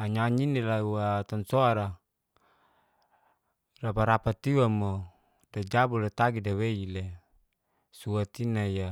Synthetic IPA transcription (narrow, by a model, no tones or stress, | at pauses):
aɲaɲinelawat̪ansoaɾa | rapaɾapat̪iwamo | dad͡ʒabulet̪aɡidaweile | suat̪inaja